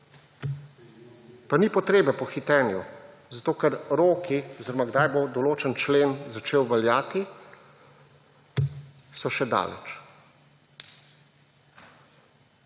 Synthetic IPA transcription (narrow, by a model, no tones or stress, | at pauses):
panipɔt̪ɾeːbɛpɔxit̪ɛːnju | zat̪oːkɛɾɾoːkiɔziɾɔmaɡd̪ajbod̪ɔloːt͡ʃənt͡ʃleːnzat͡ʃeːwʋɛljaːt̪i | sɔʃɛd̪a̰ːlɛ̰t͡ʃ